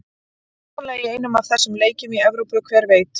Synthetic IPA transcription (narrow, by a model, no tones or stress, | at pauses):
laɣieːjnʏmaðθɛsːʏmleːjcɪmiɛvɾowpʏkʰvɛːɾveːjt̪